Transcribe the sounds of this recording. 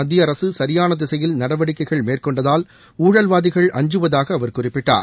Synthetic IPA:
ɐd̪ːɪjɐɾɐsɯsɐɾɪjaːnɐd̪ɪsɐjɪlnɐɽɐʋɐɽɪkːɐɪɣɐɭmeːrkɔɳɖɐðaːl | uːɻɐlʋaːðɪɣɐɭʔɐ̰ɲd͡ʒɯʋɐðaːɣɐːʋɐɾkʊrɪpːɪʈːa̰ːɾ

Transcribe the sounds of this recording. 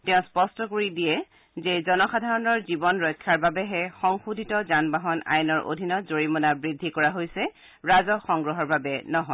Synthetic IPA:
tɛ̃ʊ̃spɔstɔkoɹidijɛ | zɛzɔnɔxadʱaɹɔnɔɹzibɔnɹɔjkʰːaɹbabɛɦɛxɔŋxudʱitɔzanbaɦɔna̰jɔnɔɹʔo̰dʱinɔzoɹimɔnabɹidʱikɔɹaɦojsɛ | ɹazɔxɔŋɡɹɔɦɔɹbabɛnɔɦɔ

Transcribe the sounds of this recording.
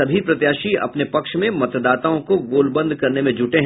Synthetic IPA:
ɐbʱipɾɐt̪jaːʃiɐ̰pnepɐkʃmẽmɐt̪d̪aːt̪aõkoɡoːlbɐ̃nd̪ʱkɐɾnemẽd͡ʒʱʊʈeɦ

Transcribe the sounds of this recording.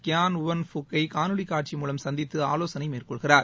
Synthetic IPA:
kjaːnʊʋɐnfʊkːɐɪkaːnɯɽikːaːʈ̚t͡ʃimuːlɐmsɐnd̪ɪt̪ːɯaːloːsɐnɐɪmeːrkɔɭɣɪraːɾ

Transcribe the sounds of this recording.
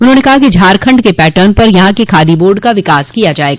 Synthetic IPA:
ʊnɦõːnekɐɦakid͡ʒʱaːɾkʰɐ̃ɳɖkepɛːʈəːnpɐɾjɐɦãkekʰaːd̪iboːɾɖkaʋɪkaːskijad͡ʒaːeːɡaː

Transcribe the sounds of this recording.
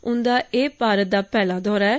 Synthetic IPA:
ʊ̃nd̪aːeːpaːɾət̪̚d̪aːpɛːlaːd̪ɔːɾɛː

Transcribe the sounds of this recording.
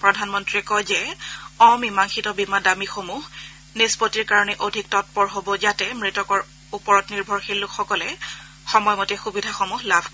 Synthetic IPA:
pɹɔdʱanmɔntɹiɛkɔjzɛɔmimaŋxitɔbimadamixomuɦ | nespotiɹkaɹɔnɛʔodʱik̚tɔt̚pɔɹɦobɔzatɛmɹitɔkɔɹ | upɔɹɔtniɹbʱɔɹxelːukxɔkɔlɛ | xɔmɔjmɔtɛxubidʱaxomuɦlabʱk

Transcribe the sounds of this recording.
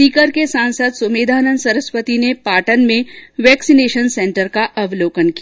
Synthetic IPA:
iːkəɾkesaːnsəd̪sʊmeːd̪ʱaːnənsɐɾəspət̪inepaːʈənmẽʋɛːksineːʃənsɛ̃ːɳʈəɾkaʔɐʋloːkənkia

